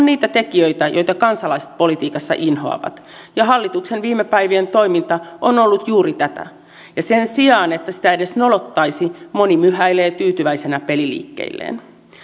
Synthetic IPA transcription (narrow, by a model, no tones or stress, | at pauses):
onniːt̪æt̪e̞kiøjt̪æjo̞jt̪ɑkɑnsɑlɑiset̪̚po̞lit̪iːkɑsːɑ̰ʔinɦo̞̰ɑ̰ʋɑ̰t̪ | jɑɦɑlːit̪uksenʋiːmːepæjʋient̪o̞jmint̪ɑʔono̞lːut̪juːɾit̪æt̪æ̰ | jɑsensiɑːne̞t̪ːæsi̥t̪æede̞sno̞lot̪ːɑisimo̞nimyhæileːt̪yːt̪yʋæisenæpe̞lilḭːkːḛilːʔḛːn